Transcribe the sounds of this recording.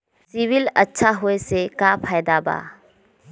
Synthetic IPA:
sibilətːʃʰaɦojsekapʰajd̪aba̰

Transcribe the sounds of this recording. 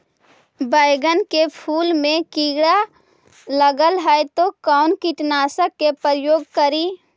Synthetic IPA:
baːɪɡənkepʰuːlmẽkiːɡɽa | ləɡəlɦajt̪okaːnkiʈnaːsəkːepəɾəjoːɡkəɾiː

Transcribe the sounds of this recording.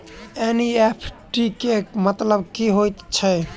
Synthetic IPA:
eniepʰʈikemət̪ləbkiɦojt̪t͡ʃʰɛ

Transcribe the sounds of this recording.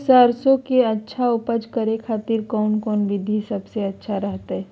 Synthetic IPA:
saːɾsõkeɐtːʃʰaʊpəd͡ʒkəɾekʰaːt̪iɾkɔːnkɔːnʋɪd̪ʱisɐbseɐtːʃʰaɾɐɦt̪aɦɛː

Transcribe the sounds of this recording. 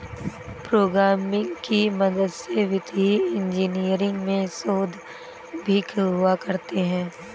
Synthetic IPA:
pɾoːɡɾaːmɪ̃ŋɡkimɐd̪əd̪seʋɪt̪iɪ̃nd͡ʒiːnijəɾɪ̃ŋɡmẽsoːd̪ʱ | bʱikʰɦʊakɐɾt̪eɦɛ̃ː

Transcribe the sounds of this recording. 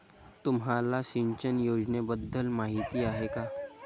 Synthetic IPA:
t̪umɦalasiɲt͡ɕənjod͡ʑnebəd̪ʱːəlmaɦit̪iaɦekaː

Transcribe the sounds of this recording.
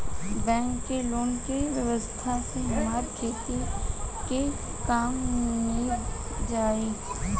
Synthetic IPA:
bɛ̃ːŋkːeloːnkeʋjəʋəst̪ʰaseɦɪmaːɾkʰeːt̪eke | kaːmi | d͡ʒaːeː

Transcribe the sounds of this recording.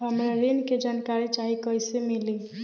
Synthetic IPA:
ɦəmɾaɾinked͡ʒaːnkaɾit͡ʃaɦikɔɪsemili

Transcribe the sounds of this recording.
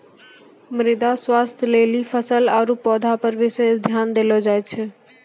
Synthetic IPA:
mɾid̪aswast̪ʰjəlelipʰəsəlaɾupɔd̪ʱapəɾʋisesd̪ʱjand̪elɔd͡ʒajt͡ʃʰɛ

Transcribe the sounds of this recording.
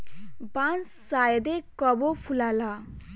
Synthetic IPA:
bãnt͡s | sajʌd̪ekʌbopʰulala

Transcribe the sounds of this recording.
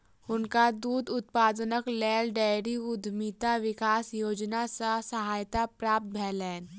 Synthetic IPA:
ʊnkad̪uːd̪ʊt̪̚paːd̪nəklɛːlɖɛːjɾiʊd̪ʱmiːt̪aʋɪkaːsjoːd͡ʒnasasəɦaːjt̪apɾaːp̚t̪̚bʱɛːlɛːn

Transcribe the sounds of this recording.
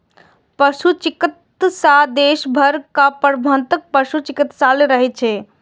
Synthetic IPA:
pəʃut͡ʃikit̪sad̪eʃbʱəɾkapəɾbʱənt̪ək̚pəʃut͡ʃikit̪saleɾəɦɛt͡ʃʰɛ

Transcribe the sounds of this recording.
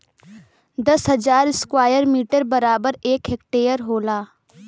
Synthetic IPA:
d̪əsɦəd͡ʒaːɾɪskwaːjəɾmiːʈəɾbəɾaːbəɾeːkɦek̚ʈeːəɾɦoːlaː

